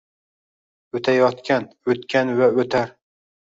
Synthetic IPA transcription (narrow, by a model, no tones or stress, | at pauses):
ɵt̪ʰajɒt̪kʲʰan | ɵt̪kʲanvaɵt̪ʰaɾ